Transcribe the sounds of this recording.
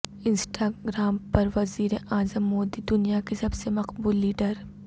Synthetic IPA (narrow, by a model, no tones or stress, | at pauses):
ɪ̃nsʈʰaɡɾaːmpɐɾʋɐziːɾeʔaːzəmːoːd̪id̪ʊnijakisɐbsemɐqbuːlːiːɖəɾ